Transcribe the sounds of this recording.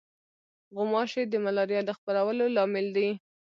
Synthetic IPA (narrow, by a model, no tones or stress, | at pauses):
ɣʊmɑʃed̪əmalɑɾjɑd̪əxpəɾawəlolɑmɪld̪i